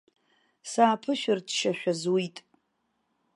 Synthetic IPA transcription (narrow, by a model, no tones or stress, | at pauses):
saːpʰɨʃᶣɪrdʃaʃᶣazwitʼ